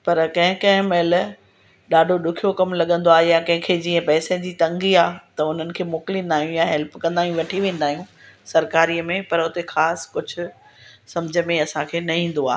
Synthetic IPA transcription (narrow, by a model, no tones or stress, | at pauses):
pɐɾkɐ̃ɦɪ̃kɐ̃ɦɪ̃mel | ɗaːɖʱoɗʊkʰijokɐmlɐɠə̃nd̪oaːɦejãkɐ̃ɦɪ̃kʰeːd͡ʑiːə̃pɛːsẽd͡ʑiːt̪ɐ̃ŋɡiaːt̪ɐʊn̤ənɪ̆kʰeːmʊklĩːnd̪aːɦijũjaɦɛlpkɐ̃nd̪aːɦijũʋɐʈʰiʋẽːnd̪aːɦijũsɐɾkaːɾiːəmẽpɐɾʊt̪exaːskʊd͡ʑʱʊ̆ | sɐmd͡ʑʱəmẽɐsãkʰeːnɐɦĩːn̆d̪oa̰ː